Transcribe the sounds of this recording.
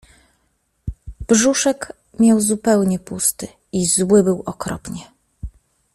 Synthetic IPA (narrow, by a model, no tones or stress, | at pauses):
b̥ʐuʂɛk | mʲjawzupɛwɲɛpust̪ɘ | izwɘbɘwɔkɾɔpɲɛ